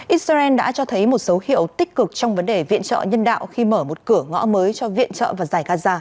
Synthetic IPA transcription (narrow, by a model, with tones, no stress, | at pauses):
ʔi˦˥t̚sa˧ʔɛ˧nɗa̰ː˧˥t͡ɕɔ˧t̪ʰə˨˦jmo˨˩t̚sə˨˦whḭ˧˨əwt̪ï˦˥k̟̚kɨ˨˩k̚t͡ɕɔ˧wŋ͡mvə˨˦nɗe˨˩vḭ˧˨ənt͡ɕə̰ː˧˨ɲə˧nɗa̰ː˧˨wxi˧məː˧˩mo˨˩t̚kɨ˧˩əŋɔ̰˧˥məː˨˦jt͡ɕɔ˧vḭ˧˨ənt͡ɕə̰ː˧˨vaː˨˩zaː˨˩jɣaː˧zaː˧